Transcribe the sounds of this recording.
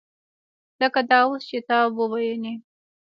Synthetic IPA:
z̥əkad̪ɑost͡ʃet̪ɑwəwajani

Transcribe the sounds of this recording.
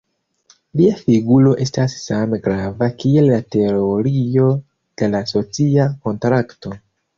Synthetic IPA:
liafiɡulo̞ʔe̞stasːame̞ɡɾavakie̞lːate̞oɾio̞ | d̥e̞laso̞t͡siako̞ntɾakto̞

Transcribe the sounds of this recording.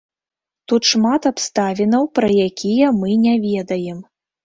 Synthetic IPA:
t̪ut̪ʂmat̪apst̪avʲinɐwpɾɐjakʲijɐmɨnʲɛvʲɛd̪ɐjɛm

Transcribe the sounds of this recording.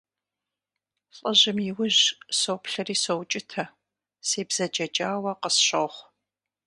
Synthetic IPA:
ɬʼəʑɪmjiwʊʑsowpɬɐriːsowt͡ʃʼɪtʰɐ | seːbz̥ɐd͡ʒɐd͡ʒaːwɐqəsɕoχʷ

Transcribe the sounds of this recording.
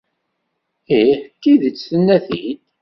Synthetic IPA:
iħt̪ːiðət͡sːθənːæθid̪

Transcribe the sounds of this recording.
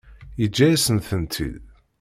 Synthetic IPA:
jəd͡ʒːæjæsənθənt̪ʰḭð

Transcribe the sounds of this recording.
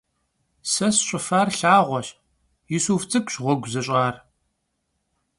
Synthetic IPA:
sɐsɕʷʼɪfaːrɬaːʁʷɔɕ | jɪsuːft͡sʼɨkʰʼɕʁʷɔɡʷzɐɕʼaːr

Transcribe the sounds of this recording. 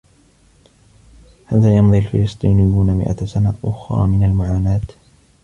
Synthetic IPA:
halðaːjɑmðˤialfɪlɨsˤt̪ˤiːnɪjːuːnamɪ̰ʔa̰sanaʔʊxɾˤɑ̰ːmɪnalmʊʕaːnaːt̪

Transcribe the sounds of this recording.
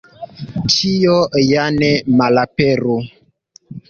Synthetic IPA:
tʰijɔjanɛmalapɛɾo

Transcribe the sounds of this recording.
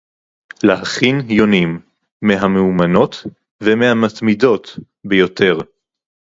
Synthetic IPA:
lahaχinjonimː | eɦameumano̞t | vemehamat̪mido̞t̪ | bejo̞te̞ʁ

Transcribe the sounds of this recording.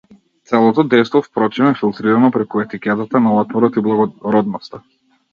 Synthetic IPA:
t̪sɛlˠɔt̪ɔd̪ɛjst̪vɔfpɾɔt͡ʃɛnɛfilˠt̪ɾiɾamɔpɾɛkuɛt̪ikʲɛt̪at̪analˠat̪mɔɾɔt̪iblˠaɡɔɾɔd̪nɔst̪a

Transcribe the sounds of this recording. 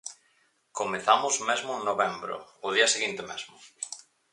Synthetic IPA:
komeθamʊzmezmʊeŋnoβembɾo̰ʊð̞iɐseɣint̪emḛzmʊ

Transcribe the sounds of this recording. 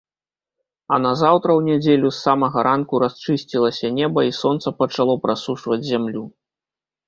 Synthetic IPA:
ɐnɐzawt̪ɾɐwnʲɛd͡zʲelʲusːamɐɣɐɾʔankuɾast͡ʂɨsʲt͡sʲilˠɐsʲɐnʲɛbɐisɔnt̪sɐpɐt͡ʂalˠɔpɾʔasuʂvɐd͡zʲzʲamlʲu

